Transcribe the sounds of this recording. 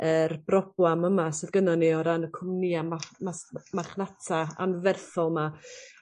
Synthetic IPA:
ərbrɔb̥waməmasɪðɡənɔniɔɾanəkʰʊmniamamasmaχnatʰaa̰nvɛrθɔlˠma

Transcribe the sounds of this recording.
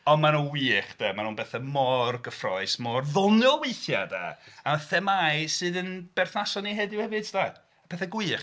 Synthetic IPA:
ɔnmanuwiːχd̥amanuːnbɛθɛmɔrɡəfrɔɨsmɔrðɔnjɔwejθja̰da̰aθɛmajsɨːðənb̥ɛrθnasɔniɦɛdɪwhɛvɨd̥sd̥a | apʰɛθɛɡwiːχ

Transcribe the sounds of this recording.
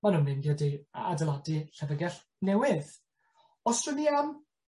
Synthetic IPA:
manʊnvɨnɡadia̰dɛlˠadɨɬɛvəɡɛɬ | nɛwɪð | ɔstrəlian

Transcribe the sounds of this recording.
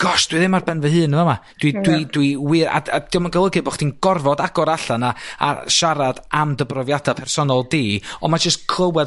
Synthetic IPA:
ɡ̥ɔsd̥wiðɪmːarbɛnvəhɨːnːəvɔmad̥widwid̥wiwɨɾa̰ad̥iɔmənɡəlˠəɡɨbɔχd̥inɡ̥ɔrvɔdaɡ̥ɔɾaɬanaa̰ʃaɾad̥amdəbrɔvjadapʰɛrsɔnɔlˠdiːɔmad͡ʒəstkʰlˠəwɛð

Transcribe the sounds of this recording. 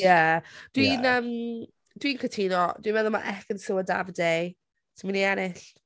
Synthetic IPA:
jɛd̥winəm | d̥winkʰətʰiːnɔd̥winmɛðɔma̰ʔɛkənsʊəda̰vədej | tʰəminiɛnɪɬ

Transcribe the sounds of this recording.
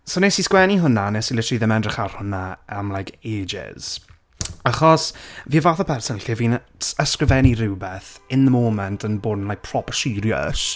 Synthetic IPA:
sonesiskwɛniɦʊnanesilɪtʰriðɪmɛndrɪχar̥hʊnaamlˠajkʰeːd͡ʒɪ̰z̥ | aχɔsviːəvaːθɔpʰɛrsənɬiviːn | əskrɪvɛnirɪwbɛθɪnðəmoːmɛntʰənboːdn̩lajk̚pʰrɔpʰəʃɪɾjɔə̰s

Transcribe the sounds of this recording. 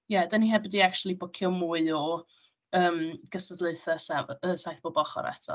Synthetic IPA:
jɛdəniɦɛbədiak̚tʰulˠibʊkʰjɔmuɨɔ | əːmɡ̥əsədlˠeɨθəsɛəsajθb̥ɔbɔχɔ̰ɾɛ̰tʰɔ̰

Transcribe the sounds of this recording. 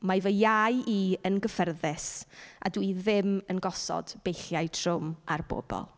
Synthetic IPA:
majvəjajiənɡəfɛrðɪsʔa̰dwiðɪmənɡɔsɔ̰d̥b̥ejɬjajtʰrʊmarbo̰ːbɔ̰lˠ

